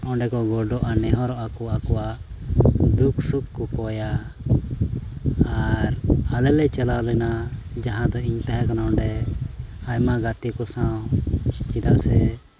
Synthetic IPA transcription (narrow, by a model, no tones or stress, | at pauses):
ɔɖɛkɔɡɔɖɔʔanɛɦɔɾɔʔakuakɔwa | d̪ukʰsukːupɔja | ɾalɛlɛt͡ʃɛlalɛnad͡ʒaɦãd̪ɔiɲt̪ɛɦɛkanaɔ̃ɳɖɛ | ajmaɡat̪ikɔsawt͡ʃid̪aʔsɛ